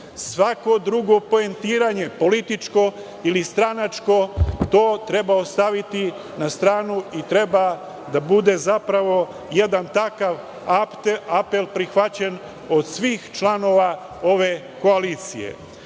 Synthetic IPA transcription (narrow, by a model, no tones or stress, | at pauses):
sʋako̞d̪ɾuɡo̞po̞ent̪iːɾaɲe̞po̞lit̪it͡ʃko̞ | ilist̪ɾanat͡ʃko̞t̪o̞ːt̪ɾe̞baost̪aʋit̪i | nast̪ɾaːnuit̪ɾe̞ba | d̪abud̪e̞zapɾaʋo̞ | je̞d̪ant̪akaʋ | ape̞lpɾixʋat͡ɕen | o̞d̪sʋiːxt͡ʃlano̞ʋa | o̞ʋe̞ | ko̞aliːt̪sḭjḛ